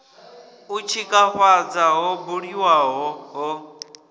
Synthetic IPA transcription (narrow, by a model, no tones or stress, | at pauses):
ut͡ʃʰikʼaɸad͡zaɦɔbuɺiwaɦɔɦɔ